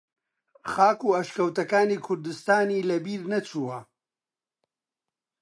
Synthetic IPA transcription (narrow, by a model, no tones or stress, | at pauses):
xaːkuːɐʃkɐwt̪ɐkaːnikʰʊɾd̪ɨst̪aːniːlɐbiːɾnɐt͡sʰuwɐ